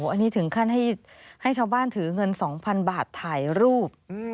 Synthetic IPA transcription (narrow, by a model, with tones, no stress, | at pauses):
ʔa˧nːiː˦˥t̪ʰɯ˩˦ŋkʰa˥˩nɦa˥˩j | ha˥˩jt͡ɕʰaː˧wbaː˥˩nt̪ʰɯː˩˦ŋɤ˧nsɔː˩˦ŋpʰa˧nbaː˨˩t̪ʰːaː˨˩jɾuː˥˩p̚ɯ˧